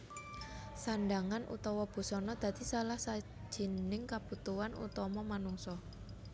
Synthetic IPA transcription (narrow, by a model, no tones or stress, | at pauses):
sanɖaŋanʔṵt̪ɔwɔb̥ṳsɔnɔd̪̥ä̤d̪̥isalahsḁ | d͡ʒ̥i̤nnɪŋkab̥ut̪uwanṵt̪ɔmɔmanuŋsɔ